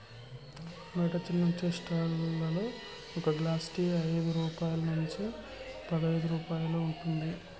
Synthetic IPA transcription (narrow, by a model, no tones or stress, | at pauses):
mɐʈɐt͡ʃːɐlnuɲt͡ʃesʈaːlɐloː | ɔkɐɡlaːsʈiːɐjd̪uɾuːpaːjulɐnuɲt͡ʃi | pɐd̪ɐɐjd̪uɾuːpaːjuloːuɳʈund̪i